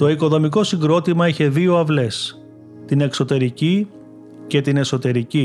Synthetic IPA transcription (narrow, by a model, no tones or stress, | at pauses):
t̪o̞iko̞ðo̞miko̞siŋɡɾo̞t̪imɐeçe̞ðio̞ɐvle̞s | t̪ine̞kso̞t̪e̞ɾici | ce̞t̪ine̞so̞t̪e̞ɾici